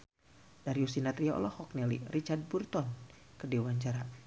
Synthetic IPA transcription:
d̥aɾiusinat̪ɾiaɔ̰lɔhɔk̚nɛlḭrit͡ʃard̚burt̪ɔnkədewaɲt͡ʃaɾa

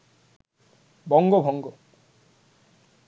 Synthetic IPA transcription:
bɔŋɡobʱɔŋɡo

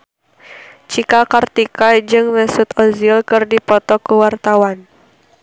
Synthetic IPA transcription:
t͡ʃikakart̪ikad͡ʒɨŋmɛsʊt̪ɔzilkɨrdipɔt̪ɔkuwart̪awan

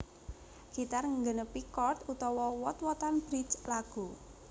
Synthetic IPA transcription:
ɡ̥it̪arŋəŋɡənəpikɔrt̪ut̪ɔwɔwɔt̪wɔt̪anb̥ɾit͡ʃlaɡ̥u

